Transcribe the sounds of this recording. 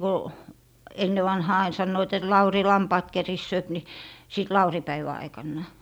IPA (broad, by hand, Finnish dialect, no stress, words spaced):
ko enːe ʋɑnhɑː ɑin sɑnːoit et lɑuri lɑmpɑːt kerisːøːp ni siˑt lɑuripæiʋæ ɑikɑnːɑˑ